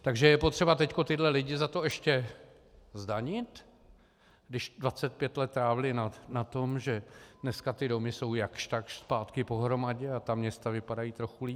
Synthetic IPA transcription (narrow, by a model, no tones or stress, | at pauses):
t̪aɡʒɛjɛpo̞t̪r̥ɛbat̪ɛcko̞t̪ɪdlɛlɪɟɪzat̪o̞ɛʃcɛ | zdaɲɪt̪ | ɡdɪʃdvat͡sɛt̪̚pjɛt̪lɛt̪ːɾaːvɪlɪnanat̪o̞mʒɛdnɛskat̪ɪdo̞mɪso̞wjakʃt̪akʃspaːt̪kɪpo̞ɦɾo̞maɟɛat̪amɲɛst̪avɪpadajiːt̪ɾo̞xuliː